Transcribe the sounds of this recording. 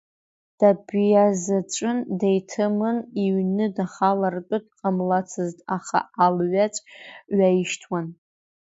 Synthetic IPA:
d̥abjazat͡ʃʷʼɨndejtʰɨmɨniɥnɨdaχalarpʼɨd̚qʼamlat͡sʰɨztʼaχa̰ʔalɥat͡ʃʷʼɥaiʃtʰwan

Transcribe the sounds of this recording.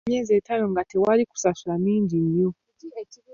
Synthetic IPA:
ɲɛziɛtʰajɔŋɡatɛwaliku̥sasuaniːɲd͡ʒim̩jɔ

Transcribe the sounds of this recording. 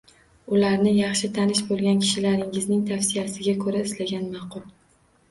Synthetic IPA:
ʊlaɾnɪjɑχʃɪt̪ʰanɪʃbolˠɡʲankʲʰɪ̥ʃɪlaɾɪŋɪznɪŋt̪ʰafsɪjasɪɡʲakʰɵɾaɪslaɡʲanmɑqʰʊlˠ

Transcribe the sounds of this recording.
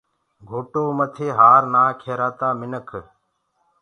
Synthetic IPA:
ɡʱoːʈoːmət̪ʰeːɦaːɾnaːkʰeːɾaːt̪aːmɪnəkʰ

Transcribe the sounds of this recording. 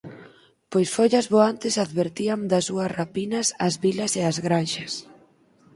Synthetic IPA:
pojsfoʎɐzβoant̪ɪsaðβeɾt̪iamd̪ɐsuɐsrapinɐsɐzβilɐseazɣɾanʃɐs

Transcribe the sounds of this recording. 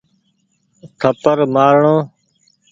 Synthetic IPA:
kʰəpəɾmaːɾɳõː

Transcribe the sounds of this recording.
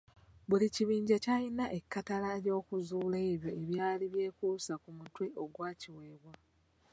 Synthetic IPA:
βuliciβiːɲɟacajinaʔe̞kːatalaeljo̞ːkuzuːle̞ːβjo̞e̞βjaːliβje̞ːkuːsakumutwe̞ʔo̞ɡwaːciwe̞ːβwa

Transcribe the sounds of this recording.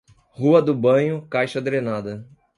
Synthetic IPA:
huɐd̪ʊbɐ̃ɲʊkajʃɐd̪ɾenad̪ɐ

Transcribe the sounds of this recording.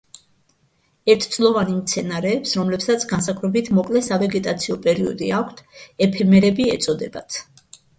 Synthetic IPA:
ɛɾt̪ʰd̪sʼlˠɔvanimt̪sʰɛnaɾɛːpsɾɔmlɛpsat̪sʰɡans̬akʰɾɛbit̪ʰmɔkʼlɛsavɛɡɛt̪ʼat̪sʰiɔpʼɛɾiɔd̪iakʷʰt̪ʰɛpʰɛmɛɾɛbiɛt̪sʼɔd̪ɛba̰t̪ʰ

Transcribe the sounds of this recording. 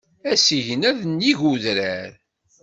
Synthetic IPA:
æsiʝənæðənjiʝuðɾæɾ

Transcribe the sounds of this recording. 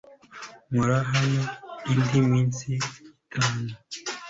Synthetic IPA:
muɾaɦaniindimwiːnsikaːne

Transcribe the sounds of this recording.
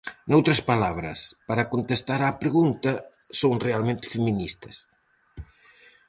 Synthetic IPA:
nowt̪ɾɐspalaβɾɐ̰spaɾakont̪est̪aɾaːpɾeɣunt̪ɐsowŋrealmẽnt̪ɪ̥feminist̪ɐs

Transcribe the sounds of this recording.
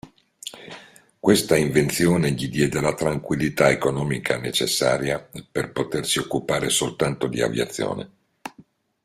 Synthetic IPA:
kwest̪aiɱvent̪sjoːneʎid̪jɛːd̪elat̪ɾaŋkwilːit̪aekonɔːmikʰanet͡ʃḛsːa̰ːɾjaperpot̪ersiokːupaːɾesolt̪ant̪od̪ia̰vja̰t̪sːjo̰ːnḛ

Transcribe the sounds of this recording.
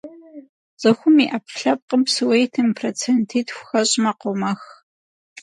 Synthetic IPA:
z̥ɐxʷʊmiʔɐpʰɬɐp̚qəbsɨwejtʰɨmpʰrot͡sʰentʰiːtxʷxɐɕʼmɐqʷʊmɐx

